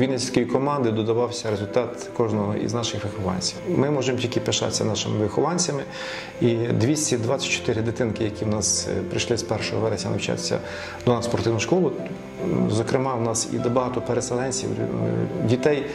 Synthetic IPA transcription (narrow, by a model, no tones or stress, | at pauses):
ʋʲid̪nɛsʲsʲkɔjikɔmɑnd̪ɪd̪ɔd̪ɐʋɑwsʲɐɾezʊlʲt̪ɑt̪ | kɔʒnɔɦɔ̰ḭznɑʃɪxʋɪxɔʋɑ̰nʲt͡sʲiwmɪmɔʒemtʲilʲkɪpeʃɑ̰sʲːɐnɑʃɪmɪʋɪxɔʋɑnʲt͡sʲɐmɪ | id̪ʋʲisʲtʲid̪ʋɑt͡sʲːɐ̥t̚ʲt͡ʃːɔ̥t̪ɪɾɪd̪ɪt̪ɪnkɪjɐkʲiwnɑspɾɪ̰ʃlˠɪspɛrʃɔɦɔʋɛɾesʲɐ̰nɐ̰wt͡ʃɑ̰sʲɐ̰ | d̪ɔnɑspɔrt̪ɪwnʊʃkɔlˠʊ | zɔkɾɪmɑwnɑsḭd̪ɐbɐɦɑt̪ɔpeɾeselˠɛnʲt͡sʲḭw | dʲit̪ɛj